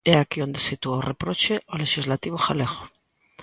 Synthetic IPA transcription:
ɛakiond̪esit̪uaorepɾot͡ʃeʔoleʃizlat̪iβ̞oxaleɣo̥

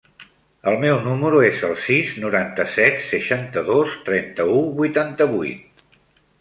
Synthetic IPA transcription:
əlˠmɛwnuməɾuezəlˠsiznuɾant̪əsɛt̪səʃant̪əðost̪ɾɛnt̪əuβujt̪ant̪əβujt̪̚

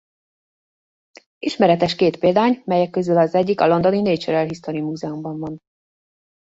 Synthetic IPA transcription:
iʃmɛɾɛt̪ɛʃkeːt̪peːld̪aːɲmɛjɛkːøzylɒzɛɟːikɒlo̞nd̪onineːt͡ʃɛɾɛlɦist̪oɾimuːzɛumbɒɱvɒn

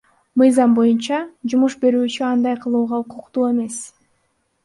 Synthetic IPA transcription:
mɯjzɑmbo̞junt͡ʃɑd͡ʒumuʃbe̞ɾyːt͡ʃyɑnd̪ɑjqʰɯlˠuːʁɑuqʰuqt̪uːe̞me̞s

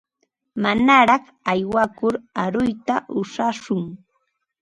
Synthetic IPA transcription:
manaɾɑχ | ajwakʊɾaɾʊjt̪aʔʊʃaʃʊŋ

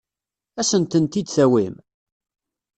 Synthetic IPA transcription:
æsənt̪ənt̪id̪θæwim

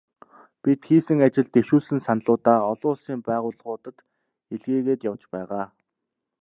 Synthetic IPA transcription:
pit̪xiːsɘ̆ŋat͡ɕɪ̆ɮt̪eʃuːsɘ̆nsanɮʊːt̪aːɔɮʊːɮsiːmpæːʁʊːɮə̆χʊːt̪ə̆t̪ | eɮɣeːɣeːt̪jawt͡ɕpæːʁaː

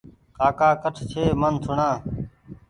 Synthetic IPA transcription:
kaːkaːkəʈʰt͡ʃʰeːmənt̪ʰʊɳãː

